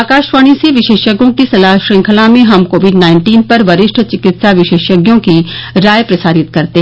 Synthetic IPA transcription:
akaːʃʋaːɽ̃ĩseʋɪʃeːʃəɡjõkisɐlaːɦʃɾẽːŋkʰəlaːmẽɦɐmkoːʋɪɖnaːɪɳʈiːnpɐɾʋɐɾɪʃʈʰət͡ʃɪkɪt̪saʋɪʃeːʃəɡjõkiɾaːjpɾɐsaːɾɪt̪kɐɾt̪e

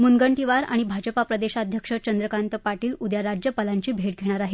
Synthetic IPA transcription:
munɡəɳʈiʋaɾa̰ɽ̃ibʱad͡ʑəpapɾəd̪eɕaːd̪ʱjəkʂət͡ɕənd̪ɾəkant̪əpaʈiːlud̪jaɾad͡ʑjəpalaɲt͡ɕiːbʱeʈ̚ɡʱeɽ̃aɾaɦe

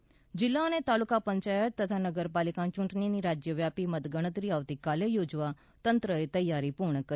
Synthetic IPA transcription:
d͡ʑilːanet̪alukapəɲt͡ʃajət̪ːət̪ʰanəɡəɾpalikãt͡ʃuɳʈniniɾad͡ʑjəʋjapiməd̪ɡəɽ̃ət̪ɾiaʋt̪iːkalejod͡zʋa | t̪ənt̪ɾəet̪əjːaɾiːpuɾɳəkə

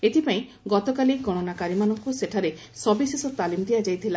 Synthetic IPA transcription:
et̪ʰipaĩ | ɡɔt̪ɔkaliɡɔɽ̃ɔnakaɾimanɔŋkuseʈʰaɾe | sɔbisesɔt̪alimd̪iad͡ʒajt̪ʰila

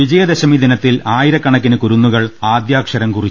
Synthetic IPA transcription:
ʋid͡ʑɐjɐd̪eɕɐmiːd̪ʱinɐt̪ːilaːjiɾɐkːɐɳɐk̬ːinɨkuɾunːuɣɐɭaːd̪jaːkʂɐɾɐmkurit͡ɕː

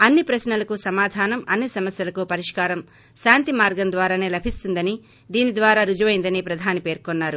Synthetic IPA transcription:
ɐnːipɾɐsnɐlɐkusɐmaːd̪ʱaːnɐmɐnːisɐmɐsjɐlɐkupɐɾiʂkaːɾɐm | ʃaːnt̪imaːɾɡɐmd̪ʋaːɾaːne̞ːlɐbʱist̪und̪ɐni | d̪iːnid̪ʋaːɾaːɾud͡ʒɐʋɐjnd̪ɐniːpɾɐd̪ʱaːnipe̞ːɾkonːaːɾu

